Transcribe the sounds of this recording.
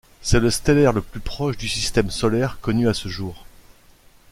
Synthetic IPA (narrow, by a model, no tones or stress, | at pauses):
sɛləst̪elɛʁləplypχɔʃd̪ysist̪ɛmsɔlɛʁkɔnyasəʒuːʁ